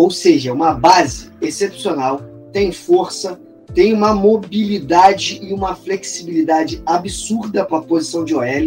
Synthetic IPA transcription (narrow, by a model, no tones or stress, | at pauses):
owseʒɐũmɐbazɪesepsionaw | t̪ẽj̃foɾsɐ | t̪ẽj̃ũmɐmobilid̪ad͡ʒɪɪũmɐfleksibilid̪ad͡ʒɪabisuɾd̪ɐpɾɐpozisɐ̃w̃d͡ʒɪoɛl